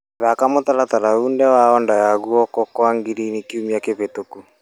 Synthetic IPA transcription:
βakamotalataɾaundɛwaɔndajaɣuɔkɔkwaŋɡiɾinikiumiakeβetoku

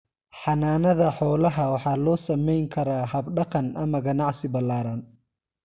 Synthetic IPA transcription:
ħɑnaːnɐðɐħɔːlɐɦɐwɑħɑːlɔːsɐmɛjŋkʰɐɾaːɦɐbɖɐqɐnʔɐmɐɡɐnɑʕsɪbɐlaːɾɐn

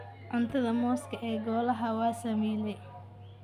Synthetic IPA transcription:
ʔɐnt̪ʰɐðɐmɔːskʰɐʔɛːɡɔːlɐɦɐwaːsɐmɛːlɛ

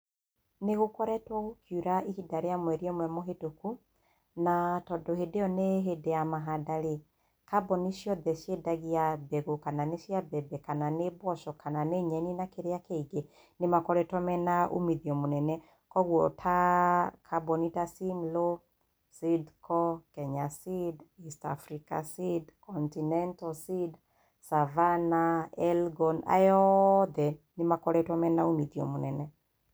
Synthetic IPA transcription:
neɣokɔɾɛtwɔɣokʰjuɾaihidaɾeamwɛɾiɔmwɛmɔɦetoku | natɔdɔhedeɔneɦedejamaɦadaɾe | kabɔniʃjɔðɛʃjedaɣiabɛɣokananeʃjabɛbɛkananebɔʃɔkananeɲɛninakeɾeakeiɡe | nemakɔɾɛtwɔmɛnaʔo̰miðiɔmonɛnɛ | kɔɣwɔtʰakʰabɔnitasimlo | sidkɔkɛɲasidista̰fɾika̰sidkɔntinɛntɔsid | savanaɛlɡɔna̰jɔðɛnemakɔɾɛtɔmɛnaomiðiɔ̰monɛnɛ

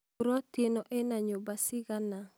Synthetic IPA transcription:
ɾɔt̪enoʔɛnaɲobasɪɡana

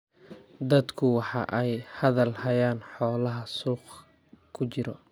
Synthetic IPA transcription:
d̪ɐd̪kʰʊwɑħɑʔɛjhɐðɐlhɐjaːnħɔːlɐɦɐsuːq | kʰʊt͡ʃɪɾɔ

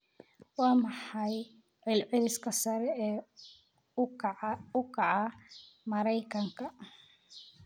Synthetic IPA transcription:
wɑːmɑħɑj | ʕɪlʕɪɾɪskʰɐsɐɾɛɛː | ʊkʰɑʕɑ | mɐɾɛjkʰɐŋkʰɐ

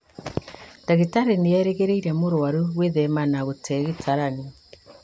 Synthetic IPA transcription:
daɣetaɾeneɛɾeɣeɾeiɾɛmoɾwaɾuɣweðɛmanaɣotʰɛɣetʰaɾane

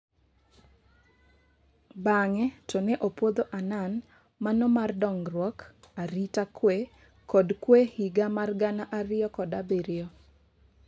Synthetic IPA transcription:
baŋɛtɔnɛʔopwod̪oʔanan | manɔmardɔŋrwɔk | aɾitakwe | kɔdkwehiɡamarɡanaʔaɾɪjɔkɔdabeɾɪɔ

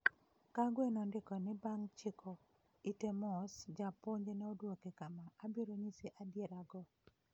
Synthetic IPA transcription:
kaɡwenɔndɪkɔnɪbaŋt͡ʃɪkʰɔ | itemɔsd͡ʒapoɲd͡ʒenɛodwokekamaʔːbiɾoɲiseʔadjeɾaɡɔ

